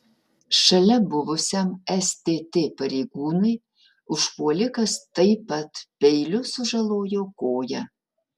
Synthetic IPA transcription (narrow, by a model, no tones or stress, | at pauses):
ʃɐlʲɛbuʋʊsʲɛmɛst̪ʲet̪epɐɾʲejɡuːnɨj | ʊʃpuɔlʲɪkɐst̪ɐjpɐt̪pʲejlʲusuʒɐlˠoːjokoːjɐ